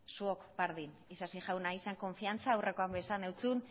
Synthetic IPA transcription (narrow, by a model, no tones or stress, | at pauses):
suokbaɾðin | isasiʝawnaiseŋko̞ɱfiant͡saːwre̞ko̞ambesane̞wt͡sun